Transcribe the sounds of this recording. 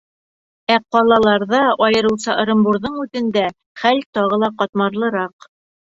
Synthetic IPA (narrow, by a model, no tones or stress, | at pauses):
æqɒlˠɑlˠɑɾðɑɒjɤ̆ɾɤ̆wsɑʔɤ̆ɾɤ̆mbuɾðɤɴʉt̪ɘ̆nd̪æ | χælt̪ɒʁɤlˠɑqɑt̪mɑɾlˠɤ̆ɾɑq